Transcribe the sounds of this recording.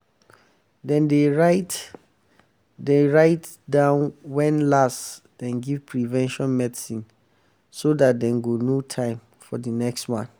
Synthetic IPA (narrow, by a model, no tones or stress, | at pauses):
dɛ̃ndeɹat | deɹaɪt | dãʊnwɛ̃nlast | d̥ɛ̃nɡiv̥pʰɹivɛ̃nʃɔ̃nmɛdsĩn | sodat̚dɛ̃nɡonutʰãɪ̃m | fɔdənɛkstwãnθ